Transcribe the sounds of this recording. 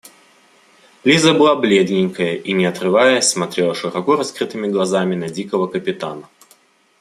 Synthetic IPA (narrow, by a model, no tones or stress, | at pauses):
lʲizəbɨlˠablʲed̪nʲɪŋʲkəjəʔinʲɪɐt̪ɾɨvajəsmɐt̪ɾʲe̞lˠəʂɨɾɐkuɾɐskɾɨt̪ɨmʲɪɡlˠɐzamʲɪnɐdʲikəvəkəpʲɪt̪a̰nə